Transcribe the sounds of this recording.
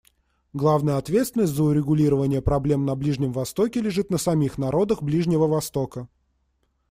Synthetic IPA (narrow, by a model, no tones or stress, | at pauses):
ɡlˠavnəjəɐt̪vʲet̪st̪vʲɪnəsʲtʲzəʊɾʲɪɡʊlʲiɾəvənʲɪjəpɾɐblʲe̞mnɐblʲiʐnʲɪmvɐst̪o̞kʲɪlʲɪʐɨt̪nəsɐmʲixnɐɾo̞d̪əxblʲiʐnʲɪvəvɐst̪o̞kə